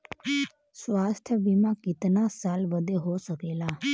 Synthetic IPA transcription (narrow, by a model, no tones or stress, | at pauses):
sʋast̪ʰjəbimãkit̪nasalʋəd̪ʱeɦoʃəkela